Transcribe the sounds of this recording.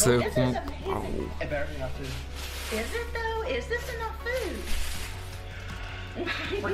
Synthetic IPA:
seɪ̰̃ | ɨ̃bɛɹiɨ̃nʌftʉ̥ | ɪzɪt̪̚ðoʊɪzðɪsɨnʌfʉd̥

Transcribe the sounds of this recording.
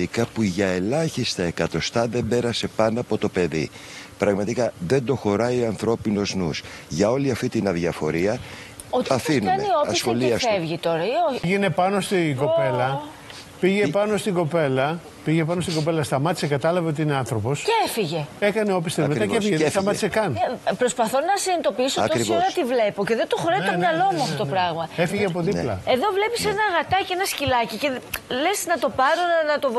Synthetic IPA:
ikɐpuʝɐe̞lɐçist̪ɐe̞kɐt̪o̞st̪ɐðe̞mbe̞ɾɐse̞pɐnoɐpo̞t̪o̞pe̞ðḭpɾɐɣmɐt̪ikɐðe̞nd̪o̞xo̞ɾɐiɐnθɾo̞pino̞znusʝɐo̞liɐft̪it̪inɐðʝɐfo̞ɾiɐ | oɐfinumeɐsxoliɐsevʝit̪oɾɐioiʝene̞pɐno̞st̪iɡo̞pe̞lɐ | piʝepɐno̞st̪iŋɡo̞pe̞lɐ | piʝepɐno̞st̪iŋɡope̞lɐst̪ɐmɐt̪i̥se̞kɐt̪ɐlɐveot̪iineɐnθɾo̞po̞sceefiʝe̞ekɐneopist̪emet̪ɐefiʝeðest̪ɐmɐt̪i̥sekɐnepɾo̞spɐθo̞nɐsinenit̪o̞piisot̪oisioɾɐt̪ivle̞po̞ce̞ðet̪oxoɾet̪emɲɐlo̞muɐfot̪opɾɐɣmɐefiʝeɐpoðiplɐ̰e̞ðo̞vle̞pisenɐːɣɐt̪ɐcienɐscilɐcicele̞znɐt̪o̞pɐɾo̞nɐnɐt̪o̞

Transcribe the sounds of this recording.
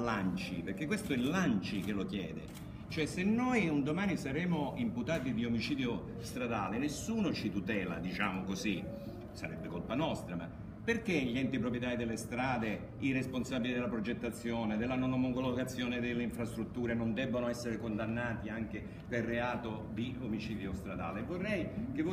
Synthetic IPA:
alːant͡ʃiperkːekːwest̪oɛilːant͡ʃik̟elːokjɛːd̪ḛ | t͡ʃoɛsenːoːjund̪omaːnisaɾɛːmoimput̪aːt̪id̪iomit͡ʃiːd̪jo | st̪ɾad̪aːlenesːuːnot͡ʃit̪ut̪ɛːla̰d̪it͡ʃaːmokosi | saɾɛ̰bːekolpanɔst̪ɾama̰ | pːerk̟eʎiɛnt̪ipɾopɾjɛt̪aːid̪elːest̪ɾaːd̪e | iresponsabːilid̪elːapɾod͡ʒet̪ːat̪sːjɔːned̪elːanɔnɔmokolːokat̪sːjɔːned̪ɪlːeiɱfɾast̪ɾut̪ːuːɾenond̪ɛbːonoɛsːeɾekond̪anːaːt̪iaŋk̟e | pelreaːt̪o | d̪iomit͡ʃiːd̪jost̪ɾad̪a̰ːlevːorːɛjk̟ev

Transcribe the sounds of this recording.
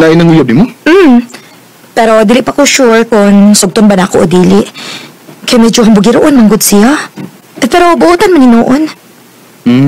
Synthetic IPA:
laːʔɪnɐŋʊjɐb̚nɪmom̩ | pɛːɾo̞d̪iːlɪʔpɐkoʃuɹkʊŋsoɡ̚t̪onbɐnɐkoʔod̪iːlɪʔ | kɐjmɛd͡ʒohɐnbʊɡɪɾoʔonmɐŋɡod̪̚sɪja | ʔɛpɛːɾobʊʔuːt̪ɐnmɐnɪnoːʔon̩

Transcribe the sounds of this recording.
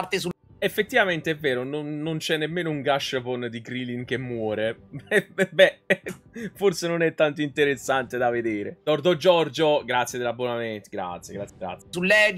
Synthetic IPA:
ɾt̪esu | efːet̪ːivament̪eɛvːɛːɾononːont͡ʃɛnːemːeːnouŋɡaʃpond̪ikɾiliŋk̟emːwɔːɾe | bɛ | forsenonɛt̪ːant̪oint̪eɾesːant̪ed̪aved̪eːɾed̪̥ɔrd̪od͡ʒɔrd͡ʒoɡɾat̪sːjed̪elːabːonament̪ɡɾa̰t̪sjeɡɾat̪sjɡɾa̰t̪ssulːɛd͡ʒ

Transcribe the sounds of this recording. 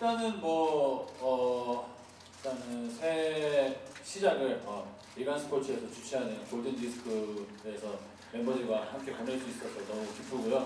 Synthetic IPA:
it͈anɯnmwʌː | k͈ansʰe | ɕʰid͡ʑaɡɯɭʌ | iɡansʰɯ̥pʰot͡ɕʰɯesʰʌt͡ɕut͡ɕʰiɦanɯakoɭdɯnɾisʰɯ̥kʰɯteːsʰʌ | membʌdiɡwahamk͈e̞kʌmeɭs͈uis͈ʰɯk͈at͈ʰʌnʌmukip͈ʰɯɡujo

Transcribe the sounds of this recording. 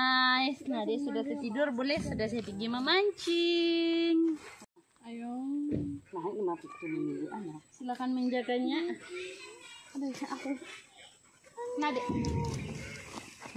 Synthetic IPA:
jnadɛsudat̪ət̪idʊrbolɛhsudahs̬ajapiɡimamaɲt͡ʃi | n | ajɔ | naɦaŋənat̪it̪uniiʔajasilakanməɲd͡ʒaɡaɲa | adaaaku | nadɛ

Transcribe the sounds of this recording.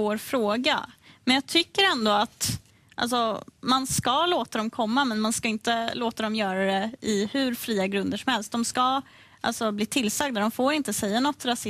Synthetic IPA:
oːɾfɾoːɡa̰mɛnjɑːɡ̚t̪ʰʏkːəɾɛnd̪ɔat̪ | ʔa̰lsɔmanskaloːt̪ad̪ɔmkʰɔmːamɛnmanskaɪnt̪əloːt̪ad̪ɔmjœːɾad̪ɛɪhʉ̟ɾfɾiːaɡɾɵnd̪əʂɔmhɛlst̪̚d̪ɔmska | ʔa̰lsɔbliːt̪ʰɪlːsaɡd̪ad̪ɔmfoːɾɪnt̪əsɛjːanɔt̪ːɾasɪ

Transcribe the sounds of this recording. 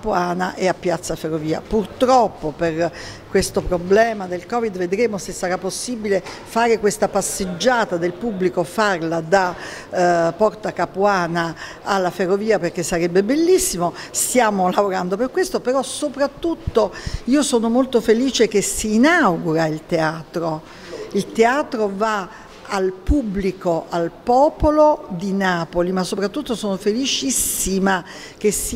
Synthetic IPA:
puaːnaʔeapːjat̪sːaferːoviːa̰purt̪ɾɔpːoper | kwest̪opɾoblɛːmad̪elkɔːvid̪ved̪ɾeːmosesːaɾapːosːibilefaːɾekwest̪apasːed͡ʒːaːt̪ad̪elpubːlikofarlad̪a | pɔrt̪akapuaːna | alːaferːoviːaperk̟ːesːaɾɛbːebelːisːimost̪jaːmolavoɾand̪operkwest̪opeɾɔsopɾat̪ːut̪ːoiːosoːnomolt̪ofeliːt͡ʃek̟esːiːnawɡuɾailt̪eaːt̪ɾo | ilt̪eaːt̪ɾova | alpubːlikoʔalpɔːpolod̪inaːpolimasːopɾat̪ːut̪ːosoːnofelit͡ʃisːima | k̟es

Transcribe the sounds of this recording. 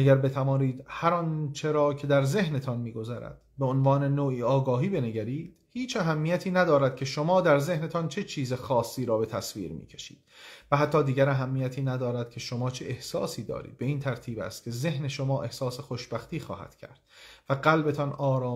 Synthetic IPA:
ʔæɡæɾbe̞t̪ʰævɒːɾiːd̪̥hæɾɒnt͡ʃʰe̞ɾɒːcʰe̞d̪æɾze̞ɦne̞t̪ʰɒnmiːɡo̞zæɾæ̰d̪̥be̞onvɒːnenoːʔiːɒːɡɒːɦiːbe̞neɟæɾiːd̪̥hiːt͡ʃæɦæmːijæt̪ʰiːnæd̪ɒːɾæd̪̥̚cʲʰe̞ʃo̞mɒːd̪æɾze̞hne̞t̪ʰɒnt͡ʃʰe̞t͡ʃʰiːzexɒːsːiːɾɒːbe̞t̪ʰæsvḭːɾmḭːcʲʰe̥ʃḭːd̪̥væɦæt̪ʰːɒːd̪iːɡɟæɾæɦæmːiːjæt̪ʰiːnæd̪ɒːɾæd̪̚cʲʰe̞ʃo̞mɒːt͡ʃʰeʔehsɒːsiːd̪ɒ̰ːɾḭːd̪̥̚be̞iːnt̪ʰæɾt̪ʰiːbæ̰ːst̪̚cʲʰe̞ze̞ɦne̞ʃo̞mɒːʔe̞hsɒːsexoʃb̥æxt̪iːxɒ̰ːhæ̰d̪̥cʲʰæ̰ɾd̪̥væɡælbe̞t̪ʰɒnɒːɾɒː

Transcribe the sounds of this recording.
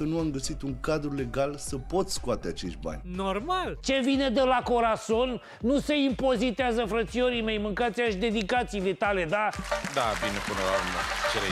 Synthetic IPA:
ənuamɡəsit̪uŋkad̪ɾule̞ɡalsəpo̞t̪sʲskoat̪e̞at͡ʃe̞ʃt̪̚ʲba̰nʲnormalt͡ʃe̞vine̞d̪elako̞ɾaso̞nː | use̞impo̞zit̪eazəfɾət̪sio̞ɾime̞jmɨŋkat̪siaʃd̪e̞d̪ikat̪siːle̞t̪ale̞d̪ad̪abinepɨnəlaumə̰t͡ʃeɾe

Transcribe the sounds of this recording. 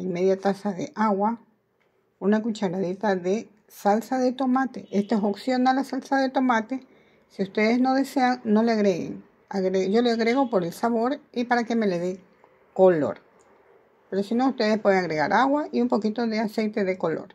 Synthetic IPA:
enmeðjat̪asaðeʔaɣwa | unakut͡ʃaɾaðit̪aðe | salsaðet̪omat̪eʔest̪aeɦoksjonalasalsaðet̪omat̪e | siust̪eðesnoðeseanːoleaɣɾeɣḭŋ | aɣɾejoleaɣɾeɣopoɾelsaβoɾipaɾakemeleðe | kolo̰ɾ | peɾosinoust̪eðespweðeŋaɣɾeɣa̰ɾʔawaiumpokit̪oðeasejt̪eðekolo̰ɾ

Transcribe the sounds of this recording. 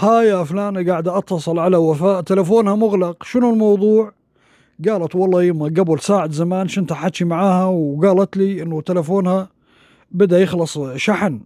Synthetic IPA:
haːjʔaflaːniɡaːʕɪd̪ʔɑt̪ːɑsˤɨlʕalawafaːʔt̪ɪlafoːnhamʊɣlɑqʃɪnulmɑwðˤuːʕ | ɡaːlat̪wɑlˤːɑːjɪmːaɡabʊlsaːʕɪd̪zamaːnʃʔɪnt̪aħaʃimaʕaːhawɡaːlat̪liʔɪnːʊt̪ɪlafoːnha | bɪd̪ajɪxlɑsˤʃaħn

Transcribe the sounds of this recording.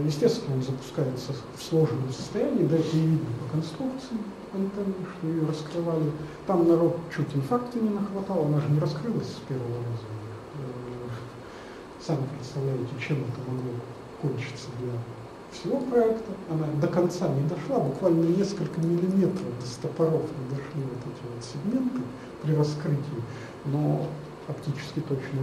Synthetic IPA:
jɪsʲtʲe̞st̪ʲvʲɪnəo̞nzəpʊ̥skajɪt̪sə | fslˠo̞ʐnəjsə̥st̪ɐjænʲɪjɪd̪aɛt̪ənʲɪvʲid̪ʲnəpəkɐnst̪ɾukt̪sɨɪ | ɐnt̪ɛnːəʂt̪ojɪjoɾəskɾɨvalʲɪt̪amnɐɾo̞t̪t͡ɕutʲɪnfarkt̪ʲənʲɪnəxvɐt̪alˠɐnaʐɨnʲɪɾɐskɾɨlˠəsʲspʲe̞rvəvərazvənʲə | jaɡəvʲlʲɪʐ | samʲɪpɾʲɪt̪st̪ɐvlʲæjɪtʲɪt͡ɕe̞mɛt̪əmɐɡlˠo | konʲt͡ɕɪ̥t̪səd̪lʲɐ | fsʲɪvo̞pɾɐɛkt̪əɐnad̪əkɐnt̪sanʲɪd̪ɐʂlˠabʊkvalʲnənʲe̞skəlʲkəmʲɪlʲɪmʲe̞t̪ɾəfd̪əst̪əpɐɾo̞fnʲɪd̪ɐʂlʲivo̞t̪ɛtʲɪvo̞t̪sʲɪɡmʲe̞nt̪ɨ | pɾʲɪrɐskɾɨtʲɪɪ | no̞ | fɐktʲit͡ɕɪ̥skʲɪt̪o̞t͡ɕnə

